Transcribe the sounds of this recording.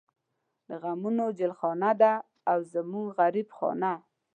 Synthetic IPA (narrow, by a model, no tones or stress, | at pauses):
d̪əɣamunod͡ʒɪlxɑnad̪aː | wzəmuŋɡɣaɾibxɑ̰na